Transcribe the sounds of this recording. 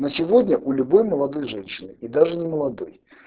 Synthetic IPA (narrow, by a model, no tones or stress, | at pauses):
nəsʲɪvodʲnʲəʔulʲʊbojməlˠɐd̪ojʐɛnɕːɪnɨid̪aʐɨnʲɪməlˠɐd̪o̰j